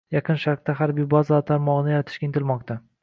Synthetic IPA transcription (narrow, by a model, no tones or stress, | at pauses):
jɑqʰɨnʃaɾq̚t̪aɦaɾbibɒzɒt̪ʰaɾmɒʁnɪjaɾat̪ʰɪ̥ʃkʲaɪnt̪ʰɪlmɒq̚t̪ʰa